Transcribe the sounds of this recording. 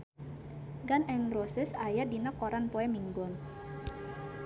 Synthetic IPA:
ɡanɛŋrosɪsajadinakɔɾanpɔɛmiŋɡɔn

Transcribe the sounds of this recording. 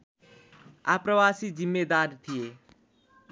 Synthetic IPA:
a̰ːpɾəʋaːsid͡ʒimːed̪aːɾt̪ʰijeː

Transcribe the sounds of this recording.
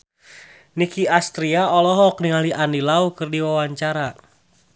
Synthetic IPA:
nikiast̪ɾiaɔlɔɦɔk̚niŋaliʔanilaukɨrdiwawaɲt͡ʃaɾa

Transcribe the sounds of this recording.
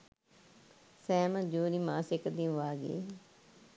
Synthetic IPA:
sɛːməd͡ʒuːɾimãːsɪkd̪ĩʋaːɡḛː

